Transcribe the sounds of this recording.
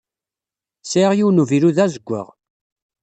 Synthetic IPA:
seʁjiwnuviɾuðæzəɡʷːə̰ʁ

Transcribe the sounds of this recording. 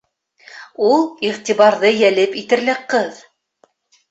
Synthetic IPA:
ulˠiʁt̪ʲiβɑɾðɤjælɘpit̪ɘ̆ɾlɘ̆qɤð

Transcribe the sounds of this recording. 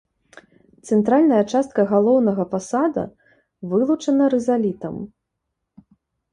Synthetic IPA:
t̪sɛnt̪ɾalʲnɐjɐt͡ʂast̪̚kɐɣalˠɔwnɐɣɐpasad̪ɐ̰ | vɨlˠut͡ʂɐnɐɾɛzalʲit̪ɐm

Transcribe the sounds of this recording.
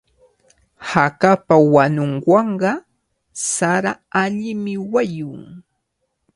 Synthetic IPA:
hakapawanʊŋwɑɴɢɑ | saɾaaʎɪmɪwajʊŋ

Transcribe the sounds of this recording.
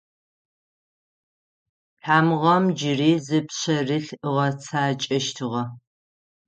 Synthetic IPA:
tʰaːmʁɐmd͡ʒɪriːzɨpɕɐrɨɬɨʁɐt͡sʰaːt͡ʃʼɐʃtʰɨʁɐ

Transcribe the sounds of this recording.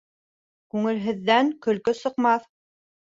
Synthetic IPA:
kʉŋɘ̆lɦɘ̆ðːæŋkɵ̆lkɵsɤ̆qmɑθ

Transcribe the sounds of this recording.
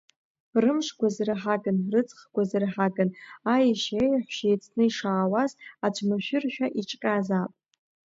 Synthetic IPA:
rɨmʂɡʷazrɨħaɡɨnrɨt͡sʼχɡʷazɨrħaɡɨnajiʃejħʷʃajt͡sʰnɨiʂaːwazat͡ʃʷʰnaʃᶣɪrʃᶣaʔit͡ʃʼqʲʼazapʼ

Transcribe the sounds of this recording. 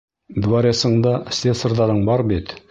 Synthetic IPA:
d̪vaɾʲesɤ̆ɴd̪ɑsʲesorðɑɾɤɴbɑɾbit̪

